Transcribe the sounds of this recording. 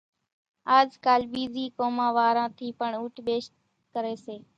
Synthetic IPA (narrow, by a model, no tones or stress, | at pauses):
aːd͡ʒkaːlɓiːziːkoːmãːʋaːɾãːt̪ʰiːpəɳuːʈʰɓeːʃt̪ | kəɾeːseː